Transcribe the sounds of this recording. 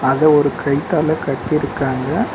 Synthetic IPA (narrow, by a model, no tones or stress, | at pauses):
ɐðɐɔɾɯkʰɐɪt̪ːaːlɐkɐʈːɪɪɾɯkːaːŋɡɐ